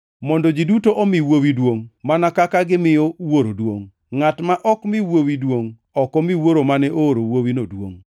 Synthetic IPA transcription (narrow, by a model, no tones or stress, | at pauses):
mɔndɔd͡ʒidutoʔɔmiwowidwoŋmanakakaɡɪmɪjɔwoɾodwoŋː | atmaʔɔkmɪwowidwoŋ | ɔkɔmiwoɾomanɛʔoːɾowowinodwoŋ